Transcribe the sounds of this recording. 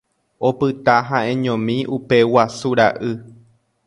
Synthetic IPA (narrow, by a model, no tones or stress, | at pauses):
o̞pɨt̪aɦãẽɲõmĩʔupe̞wasuɾaʔɨ